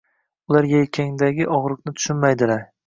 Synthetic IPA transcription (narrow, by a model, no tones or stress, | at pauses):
ʊlaɾjejkʲʰaŋd̪aɡʲɪʔɒʁɾɨqnɪt̪ʰʊ̥ʃʊnmajd̪ɪlaɾ